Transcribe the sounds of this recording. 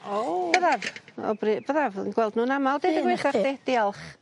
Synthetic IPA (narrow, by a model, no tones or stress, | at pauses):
o̥əðavɔ̰brɨb̥əðavənɡwɛlˠdnuːnamalˠdedəɡweχaχded̥ialˠχ